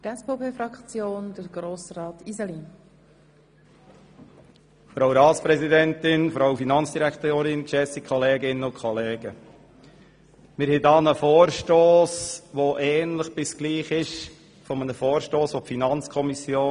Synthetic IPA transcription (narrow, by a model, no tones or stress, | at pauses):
ɛspopʰeːfɾɑkt͡sjoːndəɾɡ̥ɾoːsrɑːtizɛli | fɾowɾɑːt̪spɾɛzid̪ɛnt̪ɪnfɾawfinɑnt͡sd̥̪iɾækt̪oːɾɪnʃɛsikʰɔleːɡɪnːəʊnkʰχɔleːɡ̥ə | mɪɾhɛtɑːnəfoːɾʃtoːsʋɔʔɛːnləχb̥ɪsɡ̥liːχɪʃ | fɔmənəfoːɾʃtoːsʋɔpfinɑnt͡skʰɔmisjoː